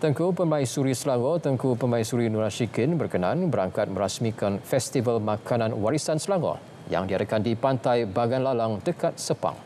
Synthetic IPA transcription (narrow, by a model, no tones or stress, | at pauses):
t̪əŋkupəmãisuɾisəlaŋɔt̪əŋkupəmãisuɾinuɾaʃikɪnbərkənãnbəɾaŋkat̪̚məɾasmĩkanfɛst̪ivalmãkʰanãnwaɾisansəlaŋɔ̰ | ja̰ŋdiadakandipant̪ajbaɡanlalaŋdəkat̪̚səpa̰ŋ